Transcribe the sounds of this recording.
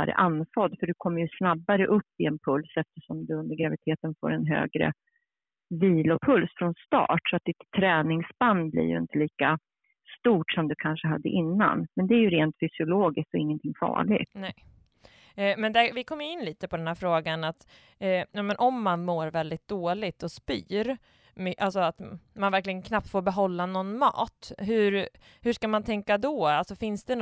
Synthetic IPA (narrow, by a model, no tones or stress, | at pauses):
aɾə̰ʔanːfɔd̪ːfœɖɵkʰɔmːəɾjɵsnabːaɾəʔɵpːɪɛnpʰɵlsɛft̪əʂɔmd̪ɵɵnd̪əɾɡɾavɪt̪ʰeːt̪ənfo̰ːɾɛnɦø̰ːɡɾə̰ | viːlɔpʰɵlsfɾɔnst̪ɑ̰ːʈsɔat̪̚d̪ɪt̪ʰːɾɛːnɪŋsband̪blɪ̰ɾjɵ̰ɪ̰nt̪əliːka | st̪uːʈʂɔmd̪ɵkʰanʂəɦad̪ːə̰ʔɪnːa̰nmɛnd̪ɛæɾjɵɾeːnt̪fʏsɪʊloːɡɪskt̪ɔɪŋːənt̪ʰɪŋːfɑ̰ːɭɪ̰ɡnɛ | mɛnd̪ɛvɪkʰɔmːjʏɪnːliːt̪əpʰɔd̪ɛnhæːɾfɾoːɡanat̪ː | jɑːmɛnʔɔmːanmoːɾvɛld̪ɪt̪̚d̪̥oːlɪɡ̚t̪ɔspy̰ːɾ | mʔalsɔat̪manvæɾklɪɡənkʰnap̚t̪foːɾbɛɦɔlːanɔnːmɑ̰ːt̪ɦɵ̟ɾ | hɵʂkamant̪ʰɛŋkad̪ɔalsɔfɪnsd̪ɛ